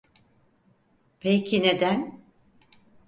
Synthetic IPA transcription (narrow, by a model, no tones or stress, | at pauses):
pʰejcʰined̪æn